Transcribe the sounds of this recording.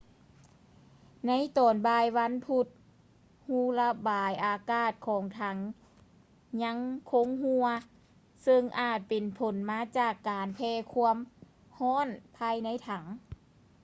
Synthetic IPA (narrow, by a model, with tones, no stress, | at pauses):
na˧˥˨jt̪ɔː˨˩nbaː˧jʋa˧˥˨npʰu˧˩t̪̚ | huː˧˩la˧baː˨˩jʔaː˨˩kaː˧˩t̪̚kʰɔː˨˩ŋt̪ʰa˧˩ŋ | ɲa˧˥ŋkʰo˧˥ŋhu˧ɐ | sɤ˧ŋʔaː˧˨˩t̪̚pe˨npʰo˨˦nmaː˧˥t͡ɕaː˧˩kːaː˨npʰɛː˧kʰu˧˥əm | hɔː˧˥˨npʰaː˧jna˧˥˨jt̪ʰa˨˩˦ŋ